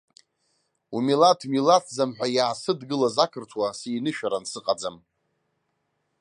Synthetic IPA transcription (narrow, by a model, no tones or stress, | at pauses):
umilatʰmilatʰzamħʷᶣajaːsɨdɡɨlazakʰɨrtʰwasiːnɨʃᶣaɾansɨqʼad͡zam